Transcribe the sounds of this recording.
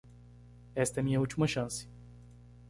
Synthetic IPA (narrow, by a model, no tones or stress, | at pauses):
ɛst̪ɐɛmĩɲɐut͡ʃimɐʃɐ̃sɪ̥